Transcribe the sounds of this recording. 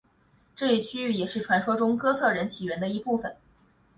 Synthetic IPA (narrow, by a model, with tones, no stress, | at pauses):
ʈ͡ʂɤ˥˧ɛ˥˩t͡ɕʰy˥y˥˩jɛ˨˩ʂɻ̩˥˩ʈ͡ʂʰwa˧˥nʂwɔ˥ʈ͡ʂʊ˥ŋkɤ˥t͡s̪ʰɤ˥˩ɻə˧˥nt͡ɕʰi˨˩ɥɛ˧˥nd̪ə˧i˧˥pu˥˩fə˨˩˦n